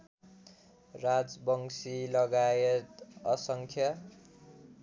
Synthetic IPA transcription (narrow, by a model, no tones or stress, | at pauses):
rad͡zbʌŋsilʌɡajet̪ʌsʌŋkʰjʌ